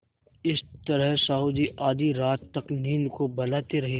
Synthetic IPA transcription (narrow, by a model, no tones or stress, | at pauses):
ɪst̪ɐɾəɦsauːd̪iʔaːd̪iɾaːt̪ːɐkniːnkobɐlaːt̪eɾɐɦi